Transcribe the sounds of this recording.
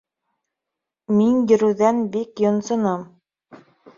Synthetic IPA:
minjɵ̆ɾʉ̆ðænbikjŏnsŏnɤm

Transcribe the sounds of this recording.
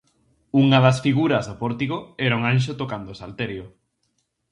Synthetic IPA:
uŋɐðɐsfiɣuɾɐzðopɔɾt̪iɣoɛɾauŋanʃ̬ot̪okand̪oʊsalt̪eɾjo

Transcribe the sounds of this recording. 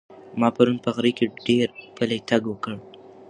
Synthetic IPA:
mɑpaɾunpəɣɾikeɖeɾpəlet̪aɡwəkəɽ

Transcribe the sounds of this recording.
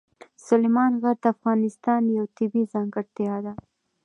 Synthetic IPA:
sʊlemɑnɣaɾt̪afɣɑnɪst̪ɑnjawt̪ɪbizɑŋɡaɾt̪jɑd̪a

